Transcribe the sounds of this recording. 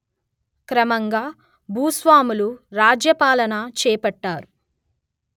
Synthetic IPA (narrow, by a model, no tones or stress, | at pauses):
kɾɐmɐŋɡaː | bʱuːsʋaːmuluɾaːd͡ʒjɐpaːlɐnɐt͡ʃɛːpɐʈːaːɾu